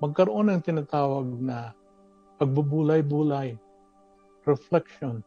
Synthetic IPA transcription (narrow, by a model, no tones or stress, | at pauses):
mɐɡ̚kɐɾoʔo̞nɐŋt̪ɪnat̪aːwɐɡ̚nɐ | pɐɡ̚bʊbuːlajbuːlaj | ɾɛflɛkʃon